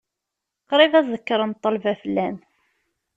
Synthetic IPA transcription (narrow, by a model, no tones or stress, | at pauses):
qɾˤivæzəkːɾˤənt̪ˤːɑlvæfəlːæn